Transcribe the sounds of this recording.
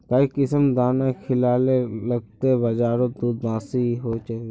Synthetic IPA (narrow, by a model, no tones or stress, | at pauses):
kaikɪsəmd̪aːnakʰɪlaːleləɡ̚t̪ebəd͡ʒaːɾod̪uːd̪bãːsiɦot͡ʃaeɡe